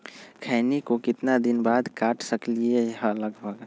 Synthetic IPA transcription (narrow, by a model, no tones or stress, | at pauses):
kʰɛːnikokɪt̪nad̪ɪnbaːd̪kaːʈʰsəklieɦə̃ləɡbʱəɡ